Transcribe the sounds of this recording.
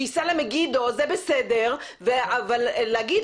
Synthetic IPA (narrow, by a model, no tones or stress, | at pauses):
isalemeɡid̪ozebesed̪eʁ | veavalːeaɡid̪